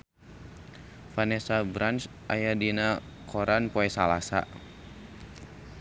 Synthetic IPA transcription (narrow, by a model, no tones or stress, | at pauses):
fanɛsabɾans | ʔajadinakʰɔɾanpɔɛsalasa̰